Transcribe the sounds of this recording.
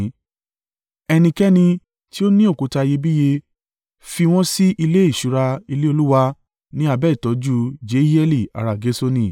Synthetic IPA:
ɛ˧nĩ˧kɛ˦nĩ˧ | ti˦o˦nĩ˦o˦˨ku˨˧ta˧je˧bi˦je˧ | fi˧w̃ɔ̃˦si˦ʔi˧le˦i˦˨ʃu˨˦ɾa˧i˧le˦o˧lu˦wa˧ | nĩ˦a˧bɛ˦i˨tɔ˨˦d͡ʒu˦d͡ʒe˨˦i˦ɛ˦li˦˨a̰˨ɾa˨ɡe˨˦so˧nĩ˧˨

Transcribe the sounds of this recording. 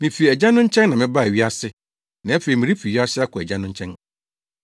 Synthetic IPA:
mĩ˨fi˨ɛ˨d͡ʑa˦nʊ̃˦ɲ̩˦t͡ɕʰɛ̃˦nːã˨mɪ̃˦ba˦˨e˨ɥi˦a˦sɪ˦ | nã˨˦æ˦fe˨i˨mĩ˨ɾi˦fi˨ɥi˦a˦sɪ˦a˦kʰʊ˨ɛ̰˨d͡ʑa˦nʊ̃˦ɲ̩˦t͡ɕʰɛ̃˦n

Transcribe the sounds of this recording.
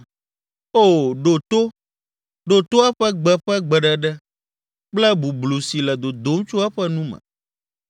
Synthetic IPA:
o˦˨ɖo˨t̪o˦ | ɖo˨t̪o˦a˦ɸɛ˦ɡ͡bɛ˨ɸɛ˦ɡ͡bɛ˨ɖɛ˨ɖɛ˦ | k͡plɛ˦bu˨blu˨si˨lɛ˨d̪o˨d̪o˦m˦t͡ʃo˦a˦ɸɛ˦nũ˦mɛ̰̃˨

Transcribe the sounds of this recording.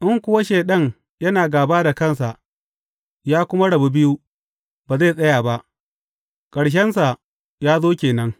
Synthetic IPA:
ʔɪ˦ŋkʷʊ˦wa˦ʃeː˨ɗɐ˦ŋ | jɐ˦naː˨ɡaː˨baː˦da˨kɐ˦˨nsa˨ʔ | jaː˦kʷʊ˦ma˦ɽɐ˨bu˦bɪ˦ju˦ | baː˨zaː˦˨sʼɐ˦jaː˨ba˦ʔ | kʼɐ˨ɽʃ̬ɛ˦nsa˨ | jaː˦zoː˦kʲeː˨nɐ˦ŋ

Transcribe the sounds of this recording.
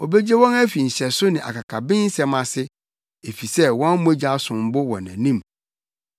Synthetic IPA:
ɔ˨be˦d͡ʑe˦wɔ̃˦næ˦fi˨n̩˨ɕɛ˨sʊ˦nɪ̃˨ʔa̰˨kʰa˨kʰa˨bɪ̃˦n̩˦sɛ˦mã˨sɪ˦ | e˨fi˨sɛ˦wɔ̃˦m˦ɔ˦d͡ʑa˦sʊ̃˨m̩˨˦bʊ˦wɔ̰̃˨næ̰̃˨nĩ˦˨m

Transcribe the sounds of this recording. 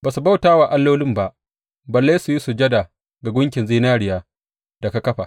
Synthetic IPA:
baː˨su˨ba˦wtaː˦waː˨ʔa˦lːoː˦lɪ˦mba˦˨ʔ | bɐ˨lːa˦su˨ji˦su˨d͡ʒɐ˦da˨ | ɡa˨ɡʷʊ˦ŋkʲɪ˨nziː˦naː˦ɾɪ˨jaː˦ | d̥a˨ka˦kɐ˦ɸa˨

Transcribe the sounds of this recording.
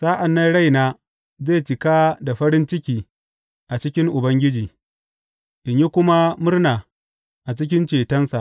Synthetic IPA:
saː˦ʔa˨nːɐ˦nɽa˦jnaː˦ | zeː˦˨t͡ʃɪ˨kaː˦da˨ɸɐ˦ɾɪ˦nt͡ʃɪ˦kʲiː˨ | ʔa˨t͡ʃɪ˦kʲɪ˦ŋʔʊ˨bɐ˦ŋɡʲɪ˦d͡ʒiː˨ | ʔɪ˨ɲji˦kʷʊ˦ma˦mʊ˦rnaː˨ | ʔa˨t͡ʃɪ˦kʲɪ˦nt͡ʃeː˨tɐ˦nsa˨ʔ

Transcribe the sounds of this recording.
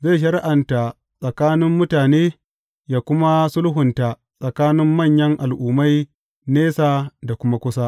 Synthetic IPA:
ze˦˨ʃ̬ɐ˨ɾɪ˦ʔa˨nta˨ | sʼɐ˨kaː˦nɪ˦mːʊ˦taː˨neː˦ | jaː˨kʷʊ˦ma˦sʊ˦lɦʊ˨nta˨ | sʼɐ˨kaː˦nɪ˦mːɐ˦˨ɲjɐ˦ŋʔa˨lʔuː˨ma˦j | neː˦saː˨da˨kʷʊ˦ma˦kʷʊ˦sa˦ʔ

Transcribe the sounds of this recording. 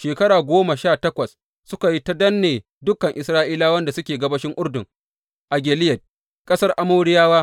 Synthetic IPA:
ʃeː˨kɐ˦ɽaː˨ɡʷoː˦ma˨ʃaː˦˨tɐ˦kʷɐ˨s | sʊ˦ka˨ji˦ta˦dɐ˦nːeː˨ | dʊ˦kːɐ˨ŋʔɪ˨sɾaː˦ʔiː˦laː˦wɐ˦nda˨sʊ˦kʲeː˨ɡɐ˦bɐ˦ʃɪ˦ŋʔʊ˦rdʊ˨ŋ | ʔa˨ɡʲeː˨lɪ˦jɐ˨d̚ | kʼɐ˦sɐ˦rʔa˦moː˦ɽɪ˦jaː˦waː˦

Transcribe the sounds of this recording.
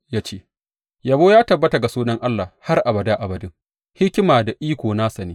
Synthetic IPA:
jaː˦t͡ʃeː˦ | ja˨boː˦jaː˦tɐ˨bːɐ˦ta˨ɡa˨suː˦nɐ˦ŋʔa˦lːa˨ha˦rʔa˨bɐ˨daː˦ʔa˨bɐ˨dɪ˦ŋ | hɪ˦kʲɪ˦maː˨da˨ʔiː˦kʷoː˨naː˦sɐ˨neː˦

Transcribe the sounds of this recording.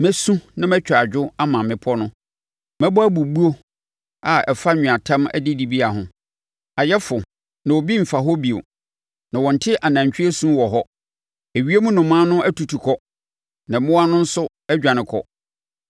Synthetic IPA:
mɛ˦sũ˦nã˦mɛ̃˦t͡ɕᶣa˨d͡ʑᶣʊ˦a˦mã˨mɪ̃˨pʰɔ˦nʊ̃˦ | mɛ̃˦bɔ˦æ˦bu˨bu˦o˦ | a˨ɛ˨fa˦ɲᶣʊ̃˨a˨tʰã˦mæ̰˦dɪ˦di˨bi˦a˨ɦʊ̃˨ | a˨jɛ˦fʊ˨ | nã˨wɔ˨bi˦m̩˨fa˨ɦɔ˦bi˨o̰˨ | nã˨wɔ̃˨n̩˨tʰɪ˦ʔa˨nã˨ɲt͡ɕᶣɪ˦e˦sũ˦wɔ˨ɦɔ˦ | e˨ɥi˦e˦mũ˦nʊ̃˨mã˦nʊ̃˦ʔæ˦tu˨tʰu˨kʰɔ˦ | nã˨mɪ̃˦wa˦nʊ̃˦n̩˦sʊ˦ | ɛ˦d͡ʑᶣã˨nɪ̃˨kʰɔ˨

